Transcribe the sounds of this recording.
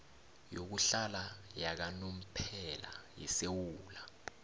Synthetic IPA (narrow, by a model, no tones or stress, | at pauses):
jok̬uɬalajak̬anom̩pʰɛla̰jḭsewuːla